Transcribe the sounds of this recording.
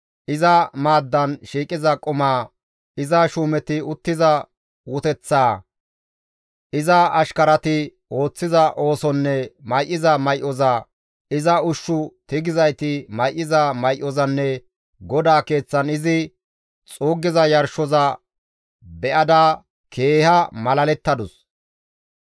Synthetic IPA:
ʔɪzɐmaːd̪ːɐnʃiːkʼɪzɐkʼɔmaː | ɪzɐʃuːmɛt̪ɪʊt̪ːɪzɐ | wʊt̪ɛt͡sːaː | ʔɪzɐɐʃkɐɾɐt̪ɪ | o̞ːt͡sːɪzɐʔo̞ːsɔnːɛmɐjʔːɪzɐmɐjʔɔzɐ | ɪzɐʊʃːʊt̪ɪɡɪzɐjt̪ɪmɐjʔɪzɐmɐjʔɔzɐnːɛ | ɡɔd̪aːke̞ːt͡sːɐnɪzɪ | t͡sʼuːɡːɪzɐjɐɾʃɔzɐ | bɛʔɐd̪aː | kʰe̞ːhɐmɐlɐlɛt̪ːɐd̪ʊs

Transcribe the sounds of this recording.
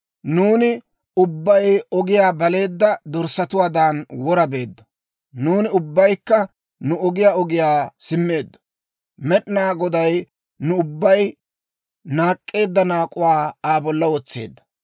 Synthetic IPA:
nuːnɪ | ʊbːɐjɔɡɪjaːbɐle̞ːd̪ːɐd̪ɔɾsɐt̪ʊwaːd̪aːnwɔɾɐbe̞ːd̪ːɐ̥ | nuːnɪʊbːɐjkːɐ | nʊɔɡɪjaːɔɡɪjaːsɪmːe̞ːd̪ːɐ̥ | mɛɗɪnaːɡɔd̪ɐj | nʊʊbːɐj | naːkʼːe̞ːd̪ːɐnaːkʼʊwaːaːbɔlːɐwɔt͡sːe̞̰ːd̪ːɐ̥

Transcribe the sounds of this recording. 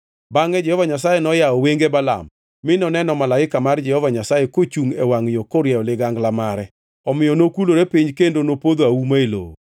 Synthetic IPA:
baŋɛd͡ʒɛhɔvaɲasajenɔjaɔweŋɡebala̰m | mɪnɔnɛnɔmalaɪkamard͡ʒɛhɔvaɲasajekot͡ʃuŋɛwaŋɪjokoɾjɛɔlɪɡaŋɡlamaɾɛ | ɔmɪjɔnokuloɾepiɲkendonopod̪oawumaelo̰

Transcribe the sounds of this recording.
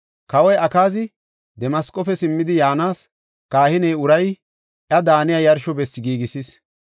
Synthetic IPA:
kɐwɔjʔɐkaːzɪ | d̪ɛmɐskʼːɔfɛsɪmːɪd̪ɪjaːnaːs | kaːhɪnɛjʊɾɐj | ʔjɐd̪aːnɪjɐjɐɾʃɔbɛsːɪɡiːɡɪsɪs

